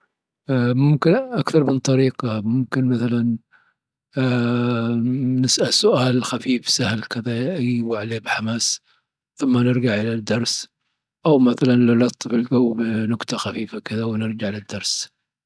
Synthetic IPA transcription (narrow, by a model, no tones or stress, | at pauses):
mʊmkɪnʔakθɑɾˤmɪnt̪ˤɑɾiːqɑmʊmkɪnmaθalan | nɪsʔalsʊʔaːlxafiːfsahlkɪðaʔajwaʕleːbħamaːs | θʊmːanɪɾɡaʕʔɪlad̪ːɑɾˤs | ʔawmaθalanlalɑt̪ˤːɨfɪlɡawːbnʊɡt̪ˤɑxafiːfakɪðawnɪɾd͡ʒaʕɪlad̪ːɑɾˤs